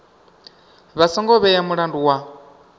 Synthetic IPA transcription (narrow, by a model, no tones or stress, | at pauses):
βasɔŋɡɔβɛjamuɺanduwa